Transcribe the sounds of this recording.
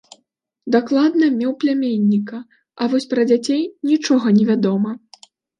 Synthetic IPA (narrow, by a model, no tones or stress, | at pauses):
d̪aklˠad̪nɐmʲɛwplʲamʲenʲːikɐ | ɐvɔsʲpɾɐd͡zʲat͡sʲejnʲit͡ʂɔɣɐnʲɛvʲad̪ɔmɐ